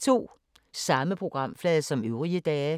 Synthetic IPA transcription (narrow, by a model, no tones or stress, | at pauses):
t͡sʰo̝̰ː | sɑ̈məpʰʁo̝ɡ̥ʁɑ̈m̰flɛːðˠsɒ̽møʊʁiəd̥ɛː